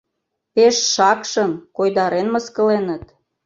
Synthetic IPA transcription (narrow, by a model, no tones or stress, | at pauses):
peʃʃɑkʃəmkojd̪ɑɾenməskə̆lenə̆t̪̚